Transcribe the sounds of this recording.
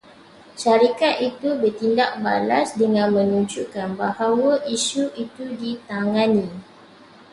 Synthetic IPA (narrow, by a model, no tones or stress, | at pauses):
ʃaɾikat̪it̪ubərt̪indak̚ba̰lasdəŋãnmə̃nũɲd͡ʒukanbahawaʔiʃuʔit̪udit̪aŋãnĩ